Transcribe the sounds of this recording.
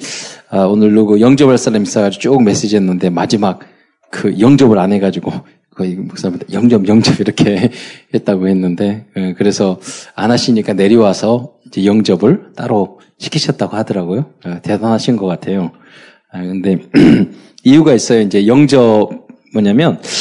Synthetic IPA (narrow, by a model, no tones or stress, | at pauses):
aonɯɭduɡɯjʌŋd͡ʑʌbaɭs͈aɾamis͈aɡad͡ʑiot͡ɕ͈okme̞s͈ed͡ʑiɦenːɯnde̞mad͡ʑimak̚ | kɯjʌŋd͡ʑʌbɯɾanɦe̞ɡad͡ʑiɡo | kʌimoks͈amjʌŋd͡ʑʌbjʌŋd͡ʑʌbiɾʌkʰe̞he̞t̚t͈aɡohe̞nːɯnde̞kɯɾe̞sʰʌanaɕʰiɲik͈ane̞ɾiwasʰʌind͡ʑe̞jʌŋd͡ʑʌbɯɭt͈aɾo | ɕʰi̥kʰiɕʰʌt̚t͈aɡohadʌɾaɡojoʌte̞danɦaɕʰinnɡʌk͈atʰe̞jo | kɯnde̞ | iuɡais͈ʌjoind͡ʑe̞jʌŋd͡ʑʌb̚ | mʌɲamjʌn